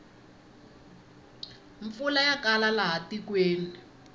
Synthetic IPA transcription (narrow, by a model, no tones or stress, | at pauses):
ɱfulajakalalaɦatikweːni